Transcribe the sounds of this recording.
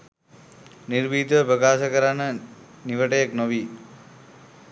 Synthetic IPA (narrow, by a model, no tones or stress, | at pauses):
niɾbiːt̪ʋəpɾəkaːsəkəɾanə | niʋəʈəjaknoʋiː